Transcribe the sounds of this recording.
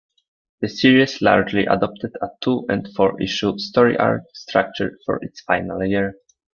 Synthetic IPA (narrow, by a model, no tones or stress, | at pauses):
ðɨsiɹiɨsla̰ɹd͡ʒliʔa̰dɔp̚t̪ʰəd̪atʰuʔɛ̃ndfɔɹʔḭʃustɔɹḭʔa̰ɹtstɹak̚t͡ʃəɹfɔ̰ɹʔɪtsfaɪnalˠjɪɹ